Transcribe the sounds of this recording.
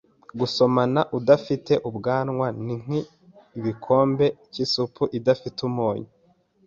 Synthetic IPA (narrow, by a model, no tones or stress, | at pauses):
ɡuso̞manaʔudafite̞ʔubɡaːnŋwaniŋ̥iː | βikʰo̞ːmbe̞cisupuʔidafitumoːɲi